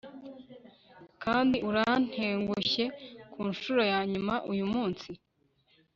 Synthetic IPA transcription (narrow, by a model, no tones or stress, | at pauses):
kʰaːndiʔuɾan̥heːŋɡuçe̞kʰuːnʃuɾo̞jaːɲumaʔujumuːnsi